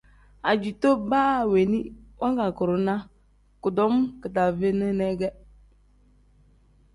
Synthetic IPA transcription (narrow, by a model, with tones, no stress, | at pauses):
a˨d͡ʒu˨to˦baː˦˨we˨ni˦wa˦ŋɡa˨kʊ˨ɾʊ˨na˦ | kʊ˨dɔ˨˦m˦kɨ˨ta˨ve˦nɨ˦nɛ˦ɡɛ˦